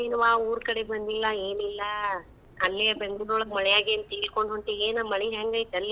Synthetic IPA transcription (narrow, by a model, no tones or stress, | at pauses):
enuʋaːuːɾkɐɽebɐnd̪ilːɐeːnilːɐ | ɐlːebeŋɡɭuloːɭɐkmɐɭɛjaːɡien̚t̪iːlkoɳɖɦoɳʈeeːnamɐɭiɦaːŋɡaːjit̪ɐlːi